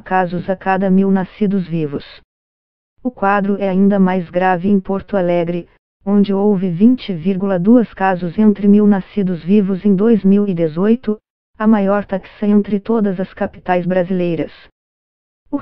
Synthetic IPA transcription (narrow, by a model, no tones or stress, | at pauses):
kazʊzɐkad̪ɐmiwnasid̪ʊzvivʊs | ʊkwad̪ɾʊɛaĩnd̪ɐmajzɡɾavɪẽj̃poɾt̪ʊalɛɡɾɪ | õnd͡ʒɪowvɪvĩnt͡ʃɪviɾɡulɐd̪uɐskazʊzẽnt̪ɾɪmiwnasid̪ʊzvivʊzẽj̃d̪ojzmiwɪd̪ezojt̪ʊ | ɐmajɔɾt̪aksɐẽnt̪ɾɪt̪od̪ɐzɐskapi̥t̪ajzbɾazilejɾɐs | ʊ